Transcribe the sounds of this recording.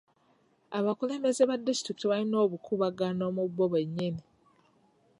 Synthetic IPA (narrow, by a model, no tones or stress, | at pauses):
aβakule̞ːmbe̞ze̞βadːistɾiki̥tiβalino̞ːβukʰuβaɡano̞mubːo̞βwe̞ɲːeni